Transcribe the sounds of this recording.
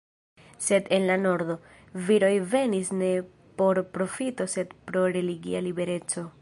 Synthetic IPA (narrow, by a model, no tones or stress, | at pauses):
se̞d̪e̞nlano̞ɾd̪o̞ | viɾo̞jve̞nisne̞ | po̞ɾpɾo̞fito̞se̞d̪pɾo̞ɾe̞liɡḭalibe̞ɾe̞t͡so̞